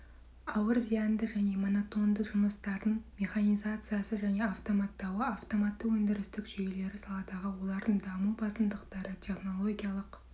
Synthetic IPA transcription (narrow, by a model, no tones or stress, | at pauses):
ɑwəɾzijɑnd̪əʒæne̞mo̞not̪o̞nd̪əʒʊməst̪ɑɾd̪əɴmʲe̞χanijzat̪sɨjasəʒæne̞aft̪o̞mat̪ːɑwəaft̪o̞mat̪ːəwɵnd̪ɪɾɪst̪ɪkʒ̥ɵjele̞ɾɪsɑlˠɑd̪ɑʁəwo̞lˠɑɾd̪əɴd̪ɑmubɑsəmd̪əqt̪ɑɾət̪ʲʰe̞χno̞lˠo̞ɡʲijalˠəq